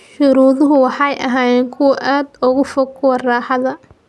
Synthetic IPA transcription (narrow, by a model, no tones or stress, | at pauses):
ʃʊɾuːðʊɦʊwɑħɑjʔɐɦaːjɛːŋkʰʊwɐʔaːd̪ʊɣʊfɔkʰʊwɐrɑːħɑðɐ